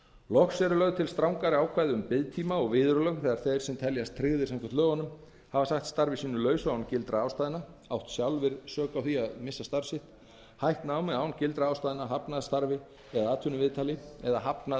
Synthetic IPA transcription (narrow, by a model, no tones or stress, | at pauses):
lɔxsɛɾʏlœɣt̪ʰɪlst̪ɾawŋkaɾɪaːwkʰvajðʏʏmpɪðt̪ʰiːmaɔɣvɪːðʏɾʏlœɣθɛːɣaɾ̥θejɾ̥sɛmt̪ʰɛljast̪ʰɾɪɣðɪɾ̥saŋkvat̪lœːɣanʏm | havasaxt̪st̪aɾvɪsiːnʏlœːɥsʏaːwncɪlt̪ɾaaːwst̪aːjðɪna | awht̪sjawlvɪðsœːkawθiaðmɪsːast̪aɾsɪht̪ | hajht̪nawmɛaːwncɪlt̪ɾaaːwst̪aːðɪnaɦapnaðst̪aɾvɪ | ɛðaaːt̪ʰʏnʏvɪðt̪ʰaːlɪɛðaɦapna